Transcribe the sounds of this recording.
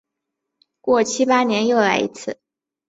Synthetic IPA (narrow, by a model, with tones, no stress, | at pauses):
kwɔ˥˩t͡ɕʰi˥pa˥njɛ˧˥njo˥˩ʊla˧˥ɪḭ˧˥t͡sʰɹ̩˥˩